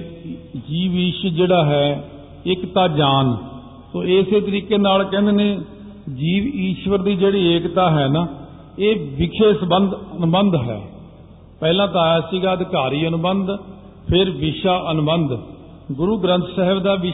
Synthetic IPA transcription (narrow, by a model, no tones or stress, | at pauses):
d͡ʒiːʋiːʃəd͡ʒeːɽaːɦɛː | ɪkt̪aːd͡ʒaːn | soːeseːt̪əɾiːkeːnaːlkɛ̃ːnd̪eːnẽː | d͡ʒiːʋiːʃʋəɾd̪iːd͡ʒeːɽiːeːkt̪aːɦɛːnaː | eːʋɪkʰeːsəbənd̪ənʊbənd̪ɦɛ̰ː | pɛːlãːt̪̬aːjaːsiːɡaːəd̪ɪkaːɾiːənʊbənd̪ | pʰɪɾʋɪʃaːʔənʊbənd̪ | ɡʊɾuːɡɾə̃nt̪sɛɦəʋd̪aːʋɪ